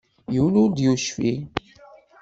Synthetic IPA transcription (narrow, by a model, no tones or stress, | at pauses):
juwnʊɾd̪juʃfi